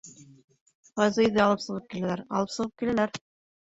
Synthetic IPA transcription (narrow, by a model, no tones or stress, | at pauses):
ʁɑjzɤiðɘɑlˠɤpsɤ̆ʁɤp̚kilælæɾɑ̰lˠɤpsɤ̆ʁɤp̚kilælæɾ